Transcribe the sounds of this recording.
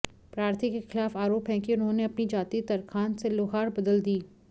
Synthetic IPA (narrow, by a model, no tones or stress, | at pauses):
pɾaːɾt̪ʰikexɪlaːfaːɾoːpɦɛ̃kiʊnɦõːneɐpnid͡ʒaːt̪it̪ɐɾkʰaːnseloːɦaːɾbɐd̪əld̪iː